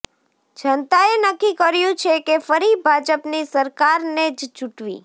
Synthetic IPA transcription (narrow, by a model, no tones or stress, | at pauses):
d͡ʒʱənt̪aenəkːikəɾjũt͡ʃʰekefəɾibʱad͡ʒəpnisəɾkaɾned͡ʒt͡ʃuʈʋḭ